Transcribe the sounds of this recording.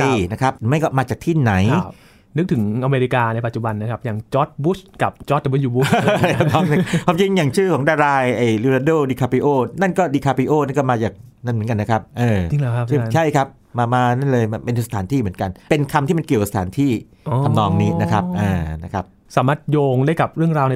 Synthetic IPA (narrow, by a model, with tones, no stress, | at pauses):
na˦˥kʰa˦˥p̚ɾɯ˩˦ma˥˩jkɔː˥˩maː˧t͡ɕaː˨˩k̚t̪ʰiː˥˩na˩˦j | nɯ˦˥k̚t̪ʰɯ˩˦ŋʔa˧meː˧ɾi˧˥kaː˧na˧jpa˨˩t̪t͡ɕu˨˩ba˧nː˦kʰa˦˥p̚jaː˨˩ŋt͡ɕɔ˦˥t̪̚bu˦˥ska˨˩p̚t͡ɕɔː˦˥t̪̚ʰːmɯ˥˩juː˧bu˦˥a˧nɔː˦˥ŋa˥kʰwaː˧mt͡ɕi˧ŋjaː˨˩ŋt͡ɕʰɯː˥˩kʰɔː˩˦ŋdaː˧ɾaː˧jʔa˧˩jli˧ɾa˧doː˥˩diː˧kʰaː˧pi˧˥ʔoː˥˩na˥˩nkɔː˥˩diː˧kʰaː˧pi˧˥ʔoː˥˩na˥˩˨nkɔː˥˩maː˧t͡ɕaː˨˩k̚na˥˩nmɯ˩˦ə˦ŋka˧nːa˦˥kʰa˦˥p̚ʔɤː˧˩t͡ɕi˧˨ŋlːʰt͡ɕa˥˩˧t͡ɕʰa˥˩jkʰa˦˥p̚ | maː˧maː˧na˥˩nlɤː˧jma˧pe˧ndsa˧t̪ʰaː˩˦nt̪ʰiː˥˩mɯ˩˦ənka˧npe˧nkʰa˧mt̪ʰi˥˩ma˧nki˨˩əka˨sḁ˧t̪aː˩˦nt̪ʰiː˥˩ | a˧mnɔː˧ŋniː˦˥na˦˥kʰa˦˥p̚ʔaː˧˩na˦˥kʰa˦˥p̚ | saː˩˦maː˥˩t̪̚joː˧ŋdaː˥˩jka˨˩p̚ɾɯ˥˩əŋɾaː˧wna˧